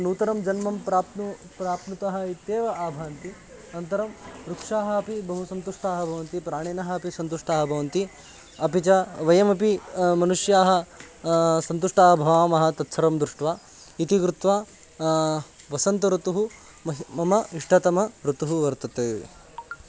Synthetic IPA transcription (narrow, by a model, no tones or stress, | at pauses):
nuːt̪ɐɾɐmd͡ʒɐnmɐmpɾaːp̪nu | pɾaːpnut̪ɐɦɐit̪jeːʋɐaːbʱaːnt̪i | ɐnt̪ɐɾɐmɾukʂaːɦɐɐpibɐɦusɐnt̪uʂʈaːɦɐbʱɐʋɐnt̪ipɾaːɳeːnɐɦɐɐpisɐnt̪uʂʈaːɦɐbʱɐʋɐnt̪i | ɐpit͡ʃɐʋɐjɐmɐpimɐnuʂjaːɦɐ̆ | sɐnt̪uʂʈaːɦɐbʱɐʋaːmɐɦɐ̆t̪ɐtːʃʰɐɾɐmd̪ɾuʂʈʋaː | it̪ikɾut̪ʋaː | ʋɐsɐnt̪ɐɾut̪uɦu | mɐɦmɐmɐiʂʈʰɐt̪ɐmɐɾut̪uɦuʋɐɾt̪ɐt̪ḛː